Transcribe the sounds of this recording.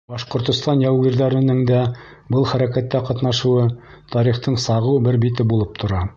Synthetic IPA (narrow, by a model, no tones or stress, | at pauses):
bɑʃqŏɾt̪ŏst̪ɑnjæwɡiɾðæɾɘ̆nɘŋd̪æ | bɤlˠχæɾækæt̪ːæqɑt̪nɑʃɤ̆wɤ | t̪ʰɑɾiχt̪ɤɴsɑʁɤwbɘɾbit̪ɘbulˠɤp̚t̪ʰŏɾɑ